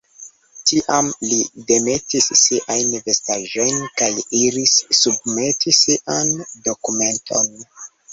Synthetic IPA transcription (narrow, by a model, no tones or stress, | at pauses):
tiʔamlide̞me̞tisːiʔajnve̞staʒo̞jnkajiɾisːub̚me̞tisiʔando̞kume̞ntʰo̞̰n